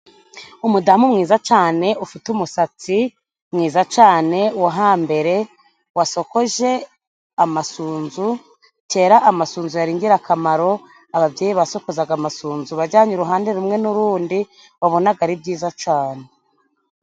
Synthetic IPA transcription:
umudamumŋiːzat͡ʃaːne̞ʔufitumusat͡si | mŋiːzat͡ʃaːne̞waɦaːmbe̞ɾe̞ | waso̞ko̞ʒe̞ | amasuːnzu | te̞ːɾaʔːmasuːnzujaɾiːɲɡiɾakʰamaɾo̞ | aβabjeːjiβaso̞ko̞zaɡamasuːnzuβaɾɟaːɲuɾuɦaːndeɾumŋe̞nuɾuːndi | waβo̞naɡaɾib̚ɟiːzat͡ʃaːne̞

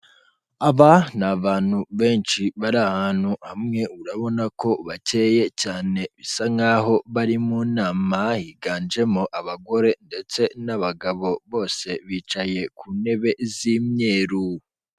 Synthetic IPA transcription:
aβanaβaːn̥huβe̞ːnt͡ʃiβaɾahaːn̥huhamŋe̞uɾaβo̞nako̞βace̞ːje̞caːne̞βisaŋaɦo̞βaɾimuːnaːmahiɡaːnd͡ʒe̞moʔaβaɡo̞ɾe̞nde̞t͡se̞naβaɡaβo̞βo̞ːse̞βiːt͡ʃaje̞kʰuːne̞βe̞ziːmɲe̞ːɾu

